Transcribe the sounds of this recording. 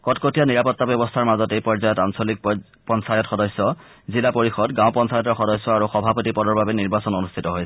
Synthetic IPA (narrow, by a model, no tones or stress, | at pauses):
kɔtkotijaniɹapɔtːabjɔbɔstʰaɹmazɔtejpɔɹzajɔtansolik̚ | pɔnsajɔtxɔdɔsːɔ | zilapoɹixɔdɡãw̃pɔnsajɔtɔɹxɔdɔsːɔaɹuxɔbʱapotipɔdɔɹbabɛniɹbasɔnonustʰitɔɦojsʰ